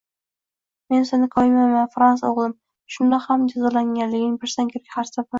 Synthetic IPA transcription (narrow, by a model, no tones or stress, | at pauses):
me̞nsɪnɪkʰɒɪmajmanfɾansaoʁlˠɪm | ʃʊnd̪ahamd͡ʒazɒlaŋɡʲanlɪɡʲɪnɪŋpʰɪɾsankʲʰeɾkʲhaɾsapa